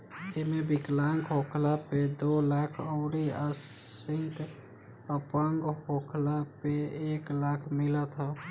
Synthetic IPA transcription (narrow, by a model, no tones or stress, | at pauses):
d͡ʒemebiklaŋɡɦokʰlaped̪olakʰəʊɾias | iŋk | əpəŋɡɦokʰlapeeklakʰmilət̪ɦə